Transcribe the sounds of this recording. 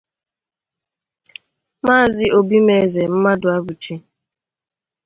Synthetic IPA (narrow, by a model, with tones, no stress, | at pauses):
maː˦˨zɪ˦ʔo˨bi˦me˨ze˨m̩˦ma˦dʊ˨a˦bu˨t͡ʃi˦